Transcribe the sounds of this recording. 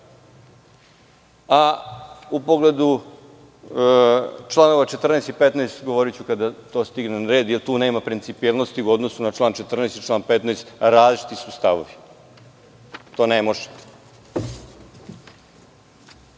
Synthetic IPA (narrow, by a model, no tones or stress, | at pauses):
a | upoɡle̞d̪u | t͡ʃlˠano̞ʋat͡ʃe̞t̪r̩najst̪ipet̪najst̪ɡoʋoɾit͡ɕukad̪at̪o̞ːst̪iɡnenɾe̞ːd̪jelt̪uːne̞ːmapɾint̪sipielˠnost̪iuo̞d̪no̞sunat͡ʃlˠaːnt͡ʃe̞t̪r̩najst̪it͡ʃlˠaːnpe̞t̪najst̪ɾaːzlit͡ʃi̥t̪isust̪aʋoʋi | t̪o̞ːnemoʒe̥